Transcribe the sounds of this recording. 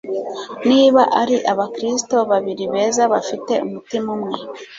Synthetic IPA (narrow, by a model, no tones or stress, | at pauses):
niːβaʔaɾiʔaβakɾisi̥to̞βaβiɾiβe̞ːzaβafite̞umutimumŋe̞